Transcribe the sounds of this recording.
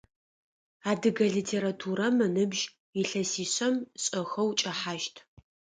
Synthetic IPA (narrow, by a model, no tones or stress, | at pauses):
aːdɨɡɐɮiːtʰeːɾatʰuːɾɐmɨnɨbʒ | iɬɐsiːɕʼɐmɕʼɐxɐwt͡ʃʼɐħaːʃtʰ